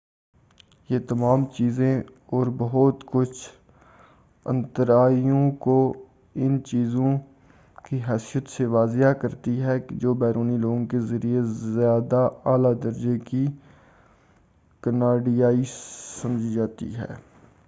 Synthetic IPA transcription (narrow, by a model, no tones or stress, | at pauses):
jet̪ɐmaːmt͡ʃiːzẽɔːɾbɐɦʊt̪kʊt͡ʃʰ | ə̰̃nt̪əɾaːijõko | ɪnt͡ʃiːzõ | kiɦɛːsijət̪seʋaːzakɐɾt̪iɦɛkd͡ʒoːbɛːɾuːniloːɡõkezəɾijezjaːd̪aaːlad̪əɾd͡ʒeki | kənaːɖijaːisɐmd͡ʒʱid͡ʒaːt̪ḭɦɛ̰ː